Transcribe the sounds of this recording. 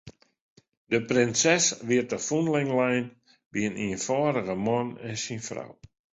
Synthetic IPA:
dəprɪnsɛsʋɪərtəfunlɪŋlɛjn | b̥iəniənfɔːɾəɣəmɔnɪnsinfra̰w

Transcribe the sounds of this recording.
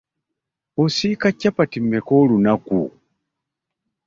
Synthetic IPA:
osikacːapatimːekoːlunakṵ

